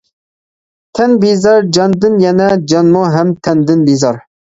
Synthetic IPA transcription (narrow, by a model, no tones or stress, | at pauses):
t̪ʰɛnbizɑɾd͡ʒɑnd̪ɨnjɛnɛd͡ʒɑnmoɦɛmt̪ʰɛnd̪ɪnbizɑɾ